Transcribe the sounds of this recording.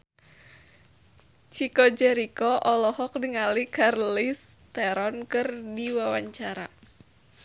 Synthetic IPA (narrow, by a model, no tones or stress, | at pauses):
t͡ʃikɔd͡ʒɛɾikɔʔɔlɔhɔk̚diŋalikarlis | t̪ɛɾɔnkɨrdiwawaɲt͡ʃaɾa̰